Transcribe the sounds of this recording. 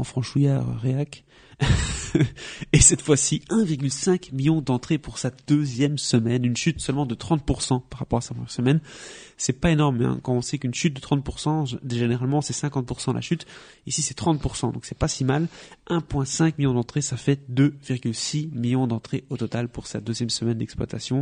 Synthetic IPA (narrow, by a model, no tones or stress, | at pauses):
ɑ̃fχɑ̃ʃujaʁə̰ʁeak | esɛt̪fwasiɛ̃viʁɡʲylsɛ̃kmiljɔ̃d̪ɑ̃t̪χepuʁsad̪øzjɛmsəmɛnynʃyt̪sœlmɑ̃d̪ət̪χɑ̃t̪̚puʁsɑ̃paʁapɔʁasapʰχəmjɛʁsəmɛnsɛpaenɔʁmɛ̰̃kɑ̃ɔ̃sɛkynʃyt̪̚d̪ət̪χɑ̃t̪̚puʁsɑ̃d̪eʒeneʁalmɑ̃sɛsɛ̃kɑ̃t̪̚puʁsɑ̃la̰ʃyt̪ | isisɛt̪χɑ̃t̪̚puʁsɑ̃d̪ɔ̃ksɛpasimalʔɛ̃pwɛ̃sɛ̃kmiljɔ̃d̪ɑ̃t̪χesafɛd̪øviʁɡʲylsimiljɔ̃d̪ɑ̃t̪χeot̪ɔt̪alpuʁsad̪øzjɛmsəmɛnd̪ɛkspwa̰t̪asjɔ̃